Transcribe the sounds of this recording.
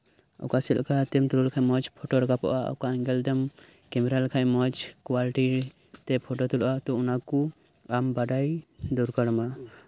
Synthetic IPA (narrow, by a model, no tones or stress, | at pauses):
a̰wkasɛl̰kat̪ɛmt̪uɾulkʰajmɔd͡ʒpʰɔʈɔɾɔkapɔ̰ʔaɔ̰wkaɛŋɡɛld̪ɛm | kɛmɛɾalkʰajmɔd͡ʒkwaliʈi | t̪ɛpʰɔʈɔt̪ulɔʔat̪ɔunaku | ambaɖajd̪uɾkaɽma